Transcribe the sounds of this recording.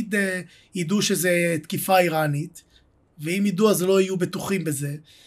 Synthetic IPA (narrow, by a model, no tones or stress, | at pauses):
d̪e | jid̪uʃezet̪kifaiʁanit̪ | veimjid̪uazlo̞ajubet̪uχimbeze̞